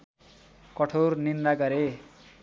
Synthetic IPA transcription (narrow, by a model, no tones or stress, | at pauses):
kʌʈʰornirnaɡʌɾe